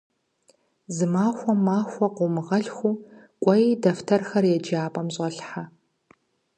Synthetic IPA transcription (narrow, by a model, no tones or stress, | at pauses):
zɨmaːxʷɔmaːxʷɔqʷʊmɨʁɐɮxʷu | kʷʼɔjdɐftʰɐrxɐrjɛd͡ʒaːpʼɐmɕʼɐɬħa